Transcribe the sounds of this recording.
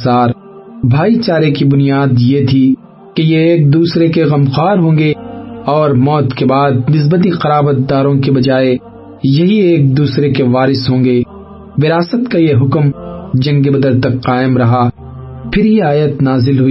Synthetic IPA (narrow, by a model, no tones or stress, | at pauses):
saːɾ | bʱaːit͡ʃaːɾekibʊnijaːd̪jet̪ʰi | kejeːk̚d̪uːsɾekeɣɐmqaːɾɦõːŋɡeɔːɾmɔːt̪kebaːd̪̚nɪs̬bət̪̬iqɐɾaːbət̪d̪aːɾõkebɐd͡ʒaːe | jɐɦieːk̚d̪uːsɾekeʋaːɾɪsɦõːŋɡe | ʋɪɾaːsət̪kajeɦʊkmd͡ʒɐ̃ŋɡebɐd̪əɾt̪ɐkqaːɪmɾɐɦa | pʰɪɾɦiaːjət̪naːzɪlɦʊiː